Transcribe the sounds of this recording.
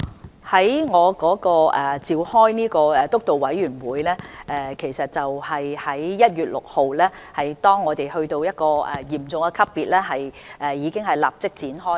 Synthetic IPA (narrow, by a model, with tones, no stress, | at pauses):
hɐ˨˥jŋɔː˨˧kɔː˨˥kɔː˧ɛː˨t͡siː˨whɔː˥jniː˥kɔː˧ɛ˨˧t̪ʊ˥k̚t̪o˨wɐ˨˥jɥyː˨˩nwuː˨˧jlɛː˥ʔɛː˨˧kʰe˨˩jsɐ˨t̚t͡sɐ˨whɐ˨jhɐ˨˥jːɐ˥t̚jyː˨t̚lʊ˨k̚ho˨wlɛː˥ | hɐ˨jt̪ɔː˥ŋːɔː˨˧t̪e˨jhɵ˧ɥt̪o˧wjɐ˥t̚kɔː˧ɛ̰˨jiː˨˩mt͡sʊ˨ŋkɛ˧kʰɐ˥pːiː˨t̚lɛː˥ɦɐ˨jɛː˨jiː˨˧kɪ˥ŋɦɐ˨˩jla̰ː˨˩p̚t͡sɪ˥k̚t͡siː˨˥nɦɔː˥